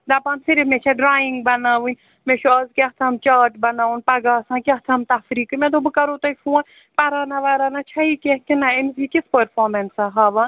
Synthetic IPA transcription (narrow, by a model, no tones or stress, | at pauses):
d̪ɐpɐːnsiɾimet͡ʃʰɐɖɾaːjiŋɡ̚bɐnaːʋɨnʲ | meʃɐːzkʲeht̪ʰɐmt͡ʃaːʈbɐnaːʋunpɐɡaːsãːkʲeht̪ʰɐmt̪ɐfɾiːkɨmʲẽd̪obɨkɐɾoːt̪ɐifuːɐn | pɐɾaːnɐʋaːɾaːnɐt͡ʃʰɐikʲehkinaemzikʲispəɾfoːɾmensɐɦaːʋɐn